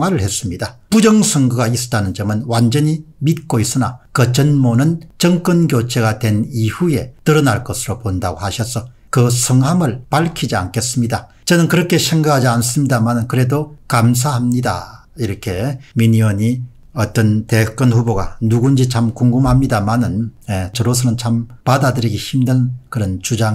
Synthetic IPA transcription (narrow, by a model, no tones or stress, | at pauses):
waɾɯɭhe̞s͈ɯmɲidapud͡ʑʌŋsʰʌŋɡɯɡaisʌ̥tanɯnd͡ʑʌmɯnwand͡ʑʌɲimit̚k͈ois͈ɯna̰kɯt͡ɕʌnmonɯnt͡ɕʌŋk͈ɯnɡjot͡ɕʰeɡadwe̞nihuje̞tɯɾʌnaɭk͈ʌsʰɯɾopondaɡohaɕʰʌsʰʌ | kɯsʰʌŋhamɯɭpaɭkʰid͡ʑia̰nkʰe̞s͈ɯmɲida | t͡ɕʌnɯnkɯɾʌkʰe̞ɕʰe̞ŋɡakʰad͡ʑians͈ɯmɲidamanɯnkɯɾe̞dokams̬ʰahamɲida̰ | iɾʌkʰe̞miɲiʌɲi | ʌt͈ʌnte̞k͈ɯnɸuboɡa̰nuɡund͡ʑit͡ɕʰamkuŋɡumhamɲidamanɯnjet͡ɕʌɾosʰʌnɯnt͡ɕʰampadadɯɾiɡeçimdɯnkɯɾʌnt͡ɕud͡ʑa